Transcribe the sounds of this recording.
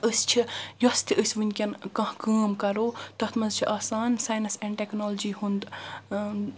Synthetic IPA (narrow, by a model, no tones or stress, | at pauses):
əst͡ʃʰijost̪ʰiʔəsʲʋɨnʲkʲɐnkɐ̃ɦkaːmkɐɾoːt̪ɐht̪ʰmɐzt͡ʃʰiʔaːsaːnsaːjnɐsɛɳɖʈeknoːld͡ʒiːɦund̪